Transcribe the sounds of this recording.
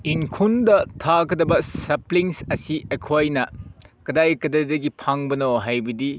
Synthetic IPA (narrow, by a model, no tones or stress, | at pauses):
iŋkʰundɐtʰakʰɐdɐbɐsɐpliŋsɐsiʔekʰoajnɐkɐdajkɐdajdɐɡipʰaŋbɐnoɦajbɐdi